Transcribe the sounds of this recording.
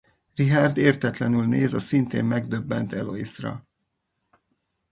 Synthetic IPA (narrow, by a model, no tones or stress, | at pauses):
riɦaːrd̪eːrt̪ɛt̪lɛnylneːzɒsint̪ḛːmmɛɡd̪øbːɛnt̪ɛloisrɒ̰